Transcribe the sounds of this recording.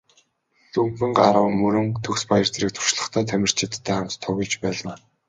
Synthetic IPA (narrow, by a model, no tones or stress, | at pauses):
ɮɵmpɘ̆ŋɢaɾə̆wmɵɾɵ̆ŋt̪ʰɵkspajə̆rt͡seɾiːk̚t̪ʰʊ̥rʃɮə̆χt̪ʰæːt̪ʰæmʲɪ̆r̥t͡ɕʰɪ̆t̪ʰːæːχam̥t̪t̪ʰːɔɣʲɪ̆ɮt͡ɕpæːɮaː